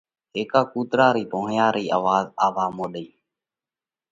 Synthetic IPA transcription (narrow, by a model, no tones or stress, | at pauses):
ɦeːkaːkuːt̪ɾaːɾiːpoːɳjaːɾiːʔaːʋaːzaːʋaːmoːɗiː